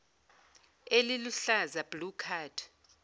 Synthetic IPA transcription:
eliluɬazab̥lukʰaːdʰ

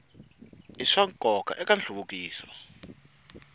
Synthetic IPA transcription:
iʂaŋkʼɔka̰ʔɛkanɬuβukiːswa̰

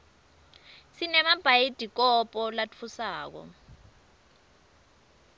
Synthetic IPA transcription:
sinɛmab̥ʱajid̥ʱik̬ɔpʼɔlat͡fʰusaːk̬ɔ̰

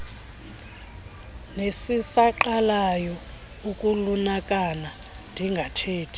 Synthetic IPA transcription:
nesisaǃalajɔ | ukʼulunak̬ʼana | ndʱiŋɡʱatʰeːtʰi̥

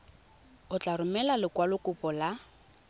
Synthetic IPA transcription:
ʊt͡ɬʼarʊmɛlalɪkwalʊkʼʊpʼɔla

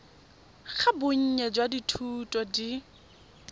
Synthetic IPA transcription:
χʰabʊɲ̩ɲɛd͡ʒwaditʰutʼɔdi

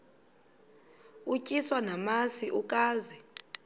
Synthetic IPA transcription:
ucʼiswanamasiʔuk̬ʼaːzɛ

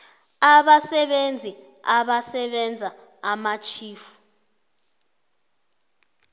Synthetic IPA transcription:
aɓasɛɓend͡zʱi | aɓasɛɓɛnd͡zʱa | amat͡ʃʰiːfu̥

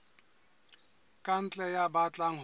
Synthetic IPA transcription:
kʼan̩t͡ɬʼɛjabat͡ɬʼaŋ̩ɦ

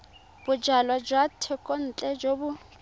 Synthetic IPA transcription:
b̥ʊd͡ʒalwad͡ʒwatʰɛkʼon̩t͡ɬʼɛd͡ʒobʊ

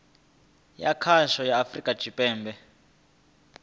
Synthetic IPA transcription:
jakʰaʃɔjaːfrikʼḁʒ̥ʱipʼɛːmbɛ

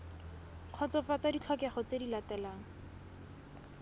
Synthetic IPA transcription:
q͡χʰɔt͡sɔfat͡sadit͡ɬʰɔkaχɔt͡sedilatɛlaːŋ̩

